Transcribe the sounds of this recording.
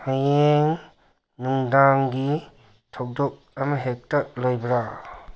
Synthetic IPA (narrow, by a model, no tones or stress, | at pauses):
hajeŋ | nuŋdaŋɡi | tʰawdɔk̚ɐmɐɦek̚tɐlojbɾa